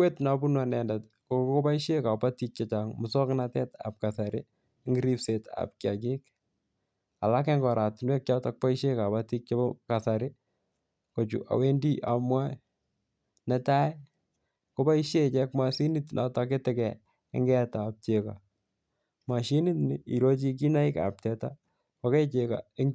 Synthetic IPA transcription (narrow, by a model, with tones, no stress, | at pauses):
we˦tna˨bu˦nwa˨nɛ˨ndat | kokko˦pa˦iʃe˦ka˨patik̚t͡ʃat͡ʃa˨ŋmusɔ˦knatɛ˦ta̰˨p̚ka˨sa˨ɾɪ˦ | ŋɡiɾi˦pse˨ta̰˨p̚kja̰˨ki˦k | a̰˨la˦kɛ˦ŋɡɔ˨ɾa˨tɪnwɛ˦k̚t͡ʃa˦tak̚pa˦iʃe˦ka˨pati˦k̚t͡ʃaka˨saɾɪ | ko˨t͡ʃṵ˨ʔa̰˨we˦ndi˦ʔa˨mwa˦ | nɛta˦j | kopa˦iʃe˦t͡ʃɛkmasi˦nitnʔa˨tak̬e˦tɛkɛ | ɪ̰ŋɡɛ˦tap̚t͡ʃeka̰ | ma˨ʃi˦ni˦tnɪi˨ɾo˦t͡ʃik̬i˦na˦i˦ka̰p̚tɛta | ko˨ke˦t͡ʃeka̰ɪŋ